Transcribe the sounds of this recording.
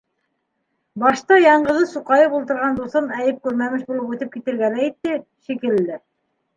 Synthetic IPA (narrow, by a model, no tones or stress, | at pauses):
bɑʃt̪ɑjɑɴɢɤ̆ðɤsuqɑjɤpulˠt̪ɤ̆ɾʁɑnd̪uθɤnæjɘp̚kʉɾmæmɘʃbulˠɤpʉt̪ɘp̚kit̪ɘ̆ɾɡænæjɘ̆t̪ːɘ | ʃikɘ̆ld̪ɘ